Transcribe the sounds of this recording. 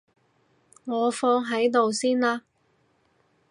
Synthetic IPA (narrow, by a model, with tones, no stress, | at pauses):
ŋɔː˨˧fɔː˧ŋɦɐ˨˥jt̪o˨wsiː˥nlaː˧